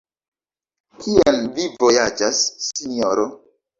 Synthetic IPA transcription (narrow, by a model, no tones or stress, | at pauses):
kʰielvivo̞jad͡ʒasːinioɾo